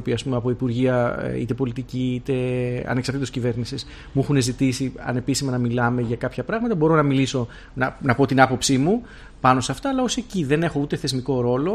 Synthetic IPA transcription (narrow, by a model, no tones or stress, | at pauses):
piɐspumeɐpo̞ipuɾʝiɐ̰ḭt̪e̞po̞lit̪iciit̪e̞ɐ̰neksɐɾt̪it̪oscive̞ɾnisis | muɛxune̞zit̪isiɐ̰ne̞pisimɐnɐmilɐme̞ʝɐkɐpçɐpɾɐɣmɐt̪ɐbo̞ɾo̞nɐmiliso̞ | nɐnɐpo̞t̪inɐpo̞psimu | pɐno̞seɐft̪ɐːlɐoseciðe̞ne̞xo̞ut̪e̞θe̞zmiko̞ɾo̞lo̞